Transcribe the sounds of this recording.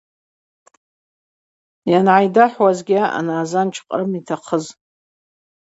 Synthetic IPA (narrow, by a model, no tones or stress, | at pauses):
janʕajdaħwazɡʲaʔa̰naːzant͡ʃʰʼqʼrɨmitʰaqʰəz